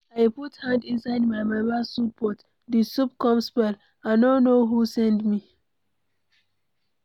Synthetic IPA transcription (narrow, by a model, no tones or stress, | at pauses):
ajputhãndĩnsajdmajmabasupɔt | disup̚kɔ̃mspɛl | anõnoɦusɛ̃ndmi